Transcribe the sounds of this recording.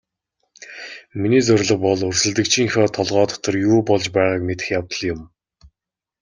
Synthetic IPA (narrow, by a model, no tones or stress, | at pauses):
miniːt͡sɵrʲɮə̆q̚pɔɮɵrsɘ̆ɮt̪ɘ̆k̚t͡ɕʰiːŋxɔːt̪ʰɔɮʁɔːt̪ɔ̥t̪ɞ̆rjuːpɔɮt͡ɕpæːʁaːkmet̪ɘ̆xjawt̪ə̆ɮjʊm